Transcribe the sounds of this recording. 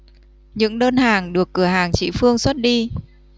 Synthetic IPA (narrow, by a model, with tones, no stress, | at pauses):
ɲɨ̰˧˥ŋɗəː˧nhaː˨˩ŋɗɨ˨˩əkːɨ˧˩əɦaː˨˩ŋt͡ɕḭ˧˥fɨ˧əŋswt̚ɗi˧